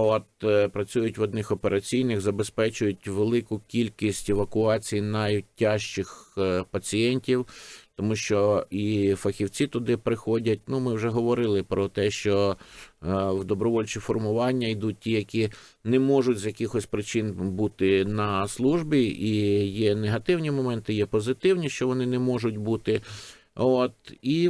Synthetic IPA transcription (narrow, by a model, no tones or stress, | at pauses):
ɔt̪pɾɐt͡sʲujʊtʲʋɔd̪nɪxɔpeɾɐt͡sʲijnɪxzɐbespɛt͡ʃʊjʊtʲʋelˠɪkʊkʲilʲkʲisʲtʲeʋɐkʊɑt͡sʲijinɐjtʲːɑʃt͡ʃɪxpɐt͡sʲijɛnʲtʲiwt̪ɔmuʃt͡ʃɔifɐxʲiwt͡sʲit̪ʊd̪ɪpɾɪxɔdʲɐt̚ʲnumɪwʒɛɦɔʋɔɾɪlˠɪpɾɔt̪ɛʃt͡ʃɔ | wd̪ɔbɾɔʋɔlʲt͡ʃɪfɔrmʊʋɑnʲːɐjd̪ut̚ʲtʲijɐkʲi | nɛmɔʒʊtʲzjɐkʲɪxɔsʲpɾɪt͡ʃɪnbut̪ɪnɐslˠuʒbʲiijɛneɦɐt̪ɪwnʲimɔmɛnt̪ɪjɛpɔzɪt̪ɪwnʲiʃt͡ʃɔʋɔnɪnɛmɔʒʊtʲbut̪ɪ | ot̪i